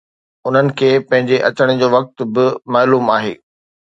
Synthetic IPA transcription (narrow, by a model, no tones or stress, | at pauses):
ʊn̤ənɪ̆kʰeːpɐ̃ɦɪ̃ɲd͡ʑeʔɐt͡ɕəɽ̃ɪ̆d͡ʑoːʋɐk̚t̪̆bɪmaːluːmaːɦḛː